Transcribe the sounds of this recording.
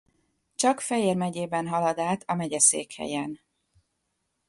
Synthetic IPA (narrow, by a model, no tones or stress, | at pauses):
t͡ʃɒkfɛjeːrmɛɟeːbɛnɦɒlɒd̪aːt̪ʰɒmɛɟɛsḛːkhɛ̰jɛn